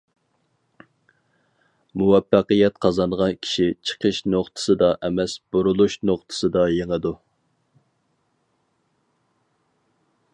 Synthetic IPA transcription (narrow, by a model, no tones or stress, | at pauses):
muwɛfːæqəjɛt̪qʰɑzɑnʁɑnkʲʰi̥ʃit͡ʃʰə̥qʰəʃnoχt̪ʰɨ̥sɨd̪ɑʔɛmɛsbuɾulˠuʃnoχt̪ʰɨ̥sɨd̪ɑjeŋəd̪u